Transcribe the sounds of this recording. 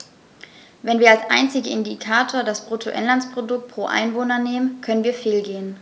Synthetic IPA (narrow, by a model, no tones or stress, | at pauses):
vɛnviːɐalsʔa̰ɪnt͡sɪɡəɪndikʰaːtʰoːɐdasb̥ʁ̥otʰoʔɛnlanspʁ̥odʊk̚t̚pʁ̥oːʔa̰ɪnvoːnɐneːmənkʰœnənviːɐfeːlɡeːən